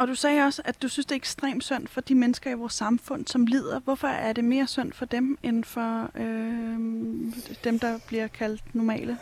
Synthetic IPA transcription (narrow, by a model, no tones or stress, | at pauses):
ʔɒ̽d̥usɛːɒ̽səæ̥d̥usynsd̥e̝ɐeɡ̥sd̥ʁḛːmd̥søn̰d̥fɒ̽d̥imenəsɡ̥ɐiʋɒːsːɑ̈mfɔ̽n̰sɒ̽mliːð̞̰ˠɐʋɒ̽fɒ̽æɐde̝me̝ːɐsøn̰d̥fɒ̽d̥emenfɒ̽ø | d̥emd̥ɑ̈b̥liɐkʰæl̰d̥nɒmɛ̰ːlə